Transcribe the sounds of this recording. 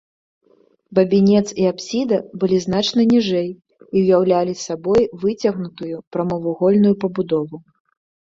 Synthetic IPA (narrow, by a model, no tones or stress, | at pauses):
bɐbʲinʲɛt̪siapsʲid̪ɐbɨlʲizn̪at͡ʂnɐnʲiʐɛj | iwjawlʲalʲisabɔjvɨt͡sʲɐɣnut̪ujupɾɐmɐvuɣɔlʲnujupɐbud̪ɔvu